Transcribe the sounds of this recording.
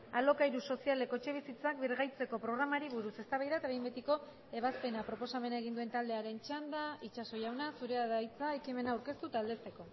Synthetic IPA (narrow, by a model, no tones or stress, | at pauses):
alo̞kajɾuso̞siale̞ko̞t͡ʃe̞β̞isit͡sakbiɾɣajt͡se̞ko̞pɾo̞ɣ̞ɾamaɾiβuɾuse̞st̪aβajðat̪aβjmbet̪iko̞ | e̞β̞aspe̞napɾo̞po̞same̞naeɣ̞ind̪ue̞nt̪ald̪e̞aɾe̞nt͡ʃand̪ait͡ʃaso̞jawnasuɾe̞aðajt͡sae̞kime̞naːwɾke̞st̪ut̪ald̪e̞st̪e̞ko̞